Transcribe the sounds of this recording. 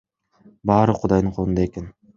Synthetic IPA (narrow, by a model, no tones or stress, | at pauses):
bɑːɾɯqʰʊd̪ɑjd̪ɯɴqʰolˠnd̪ɑe̞ke̞n